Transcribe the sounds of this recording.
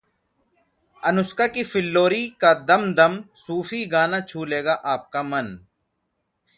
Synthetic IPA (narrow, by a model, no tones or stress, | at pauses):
ənʊskaːkiːfɪlːoːɾiːkaːd̪əmd̪əmsuːfiːɡaːnaːt͡ʃʰuːleːɡaːʔaːp̚kaːmən